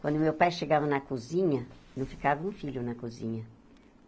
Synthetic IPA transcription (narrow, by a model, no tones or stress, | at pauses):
kwɐ̃nd̪ʊmewpajʃeɡavɐnɐkuzĩɲɐnɐ̃w̃fi̥kavɐũfiʎʊnɐkuzḭ̃ɲɐ